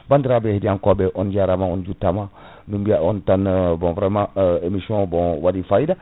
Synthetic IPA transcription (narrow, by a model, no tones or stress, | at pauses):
bandiɾabehediãŋkobeʔond͡ʒiaɾamãond͡ʒutamã | numbiaontanbɔ̃vɾemãemisɔ̃bõwadifaida